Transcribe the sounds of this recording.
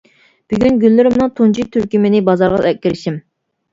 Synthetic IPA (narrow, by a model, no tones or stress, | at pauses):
b̥yɡʲynɡʲylːɪɾɪmnɨŋt̪ʰunt͡ʃʰit̪ʰyɾkʲimɪnɪbɑzɑɾʁɑ̰ɛk̚ʲːiɾɪʃim